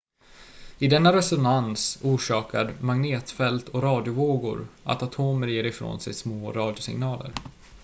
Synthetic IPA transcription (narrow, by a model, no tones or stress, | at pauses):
ɪd̪ɛnːaɾɛsɔnansuːʂɑːkaɾmaŋneːt̪fɛlt̪ʰɔɾɑːd̪jʊvoːɡʊ̰ɾʔa̰t̪at̪ʰoːməɾjeːɾɪfɾo̰ːnsɛ̰jsmoːɾɑːd̪jʊsɪ̰ŋnɑːlə̰ɾ